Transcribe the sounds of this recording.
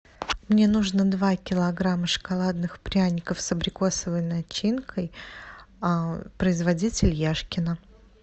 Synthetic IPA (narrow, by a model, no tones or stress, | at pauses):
mnʲe̞nuʐnəd̪vakʲɪlˠɐɡɾaməʂə̥kalˠad̪nɨxpɾʲanʲɪkəfsɐbɾʲɪko̞səvəjnɐt͡ɕinkʰəj | apɾəɪzvɐdʲit͡sʲɪlʲjaʂkʲɪnə